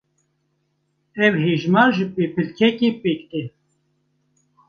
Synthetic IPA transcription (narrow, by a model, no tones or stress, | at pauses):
ɛwheːʒmɑːɾʒɨpeːpʰɨlkʰɛkeːpeːkt̪e